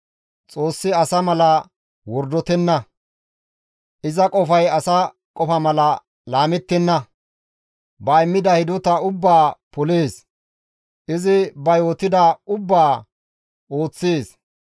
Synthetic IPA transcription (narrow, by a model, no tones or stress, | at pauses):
t͡sʼo̞ːsːɪɐsɐmɐlɐ | wɔɾd̪ɔt̪ɛnːɐ | ʔɪzɐkʼɔfɐjɐsɐ | kʼɔfɐmɐlɐ | laːmɛt̪ːɛnːɐ | bɐɪmːɪd̪ɐhɪd̪ɔt̪ɐʊbːaːpɔle̞ːs | ʔɪzɪbɐjo̞ːt̪ɪd̪ɐʊbːaː | ʔo̞ːt͡sːeːs